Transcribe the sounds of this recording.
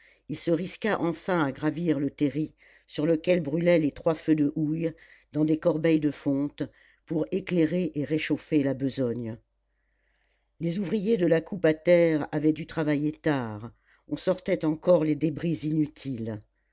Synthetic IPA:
ilsəʁiskʲaʔɑ̃fɛ̃aɡʁaviʁlət̪eʁi | syʁləkʲɛlbʁylɛlet̪χwafød̪əʔuj | d̪ɑ̃d̪ekɔʁbɛjd̪əfɔ̃t̪ | puʁekleʁeʔeʁeʃofelabəzɔɲ | lezuvʁijed̪əlakupat̪ɛʁavɛd̪yt̪χavajet̪aʁ | ɔ̃sɔʁt̪ɛt̪ɑ̃kɔʁled̪ebʁizinyt̪ʰil

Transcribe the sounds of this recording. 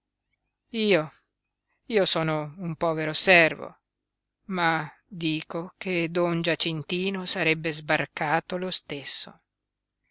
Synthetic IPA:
iːo | iːosɔːnoumpɔːveɾosɛrvo̰ | ma | d̪iːkoked̪ɔnd͡ʒat͡ʃint̪iːnosaɾɛbːezbarkaːt̪olost̪esːo̰

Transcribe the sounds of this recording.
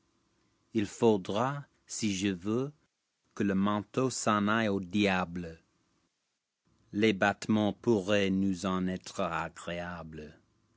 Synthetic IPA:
ilfod̪ʁa | siʒəvø | kələmɑ̃t̪osɑ̃najod̪jablə | lebat̪mɑ̃puʁɛnuzɑ̃nɛt̪ʁəa̰ɡʁeablə

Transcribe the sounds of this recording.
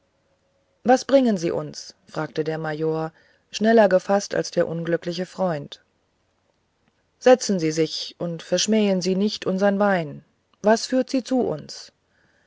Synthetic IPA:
vasb̥ʁɪŋənzḭːʔʊ̰nsfʁ̥aːk̚tədeːɐmajoːɐ | ʃnɛlɐɡəfasta̰lsd̥eːɐʔʊnɡlʏklɪç̬əfʁ̥ɔʏnt | z̥ɛt͡sn̩ziːzɪçʔʊntfɛɐʃmɛːənziːnɪçtʔʊnzɐnvaɪn | vasfyːɐtz̥iːt͡suʔʊ̰ns

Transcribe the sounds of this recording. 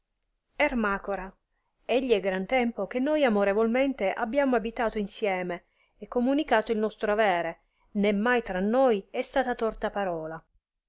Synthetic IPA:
ɛrmaːkoɾa | eʎːiɛɡɾant̪ɛmpok̟enːojamoɾevolment̪eʔabːjaːmoabit̪aːt̪oinsjɛːme | ɛkːomunikaːt̪oilnɔst̪ɾoavɛːɾe | nɛmːajt̪ɾanːojɛst̪aːt̪at̪ɔrt̪apaɾɔːla

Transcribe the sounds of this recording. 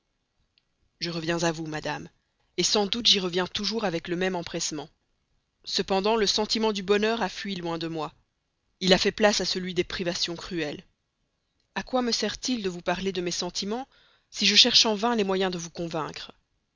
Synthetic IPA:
ʒəʁəvjɛ̃zavumad̪am | esɑ̃d̪ut̪ʒiʁəvjɛ̃t̪uʒuʁavɛkləmɛmɑ̃pχɛsmɑ̃ | səpɑ̃d̪ɑ̃ləsɑ̃t̪imɑ̃d̪ybɔnœʁafɥilwɛ̃d̪əmwa | ilafɛplasasəlɥid̪epχivasjɔ̃kχyɛl | akwaməsɛʁt̪ild̪əvupaʁled̪əmɛsɑ̃t̪ʰimɑ̃ | siʒəʃɛʁʃɑ̃vɛ̃lɛmwajɛ̃d̪əvukɔ̃vɛ̃kχ

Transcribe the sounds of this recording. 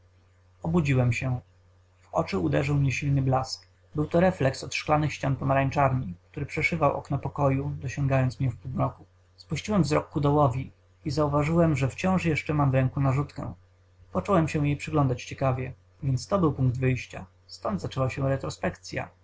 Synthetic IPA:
ɔbud͡ʑiwɛmɕɛ | vɔ̰t͡ʂɘud̪ɛʐɘwmɲɛɕilnɘblask | bɘwt̪ɔɾɛflɛksɔt̪ʂklanɘxɕt͡ɕanpɔmaɾaɲt͡ʂaɾɲik̚t̪uɾɘpʂɛʂɘvawʔɔ̰knɔpɔkɔjud̪ɔɕɔŋɡajɔnt̪smɲɛfpumɾɔku | spuɕt͡ɕiwɛmvzɾɔkːud̪ɔwɔvʲi | izauvaʐɘwɛmʐɛft͡ɕɔ̃w̃ʂjɛʂt͡ʂɛmamvɾɛŋkunaʐut̪kɛ̰̃ | pɔt͡ʂɔwɛmɕɛw̃jejpʂɘɡlɔnd̪at͡ɕt͡ɕɛkavʲjɛ | vʲjɛnt̪st̪ɔbɘwpuŋɡ̚d̪vɘjɕt͡ɕa | st̪ɔnd̪zat͡ʂɛwaɕɛ̃ɾɛt̪ɾɔspɛkt̪sʲja̰

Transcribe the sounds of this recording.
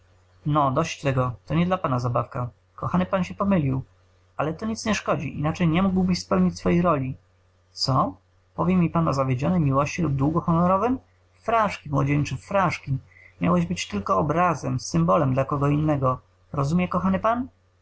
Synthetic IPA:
nɔd̪ɔɕt͡ɕt̪ɛɡɔt̪ɔɲɛd̪lapanazabafka | kɔxanɘpanɕɛpɔmɘlʲiw | alɛt̪ɔɲit̪sɲɛʂkɔd͡ʑḭʔḭnat͡ʂɛjɲɛmuɡwbɘɕspɛwɲit͡ɕʲsfɔjejɾɔlʲi | t̪sɔ | pɔvʲjɛmʲipanɔzavʲjed͡ʑɔnɛjmʲiwɔɕt͡ɕilub̚d̪wuɡɔxɔnɔɾɔvɘm | fɾaʂkʲimwɔ̰d͡ʑɛɲt͡ʂɘfɾaʂkʲi | mʲja̰wɛʑbɘt͡ɕt̪ɘlkɔːbɾazɛmsɘmbɔlɛmd̪lakɔɡɔinːɛɡɔ | ɾɔzumʲjɛkɔxanɘpan

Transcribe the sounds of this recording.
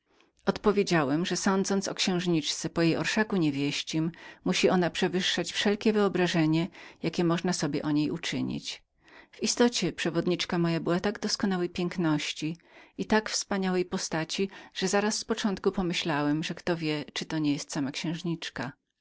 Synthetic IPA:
ɔt̪pɔvʲjed͡ʑawɛmʐɛsɔnd̪zɔntsɔkɕɛ̃w̃ʐɲit͡ʂt̪sɛpɔjejɔ̰ɾʂakuɲevʲjɛɕt͡ɕimmuɕiʔɔnapʂɛvɘʂːat͡ɕfʂɛlkʲɛvɘɔbɾaʐɛɲɛjakʲɛmɔʐnasɔbʲjɛ̰ʔɔɲejut͡ʂɘ̰ɲḭt͡ɕ | vist̪ɔt͡ɕɛpʂɛvɔd̪ɲit͡ʂkamɔjabɘwat̪aɡd̪ɔskɔnawɛjpʲjɛŋknɔɕt͡ɕiit̪akfspaɲawɛjpɔst̪at͡ɕiʐ̥ɛzaɾasːpɔt͡ʂɔnt̪̚kupɔmɘɕlawɛmʐɛkt̪ɔvʲjɛt͡ʂɘt̪ɔɲɛjɛst̪samakɕɛ̃w̃ʐɲit͡ʂka

